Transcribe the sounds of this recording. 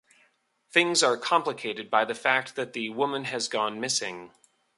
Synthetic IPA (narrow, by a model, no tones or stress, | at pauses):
θɪ̃ŋzə˞kʰɑ̃mpləkʰeɪɾɨd̚baɪðɨfæk̚t̪̚ðɨt̪̚ðɨwʊmə̃nɨzɡɔ̃nmɪsɪ̃ŋ